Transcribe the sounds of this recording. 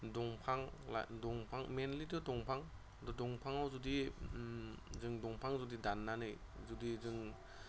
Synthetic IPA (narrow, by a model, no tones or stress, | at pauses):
dɔŋpʰaŋla̰dɔŋpʰaŋmenlitɔdɔŋpʰaŋ | dɔdɔŋpʰaŋawzudi | zɯŋdɔŋpʰaŋzudidanːanɯj | zudizɯŋ